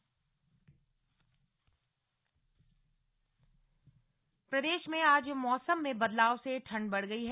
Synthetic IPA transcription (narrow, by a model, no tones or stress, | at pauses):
pɾɐd̪eːʃmẽaːd͡ʒmɔːsəmːẽbɐd̪laːʋseʈʰɐ̃ɳɖbɐɽɡɐiɦɛ